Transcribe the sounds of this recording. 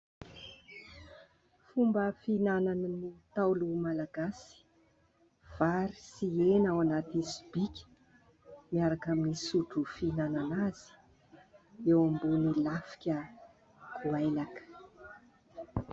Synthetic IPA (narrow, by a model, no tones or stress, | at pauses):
fumbəfinananənit̪awlumalaɡasi̥ | v̥aɾisienawanat̪isibikʲə̥ | miaɾakaminisuʈ͡ʂufinananaz̥i̥ | ewambunilafi̥kʲə | kʰuajlakə̥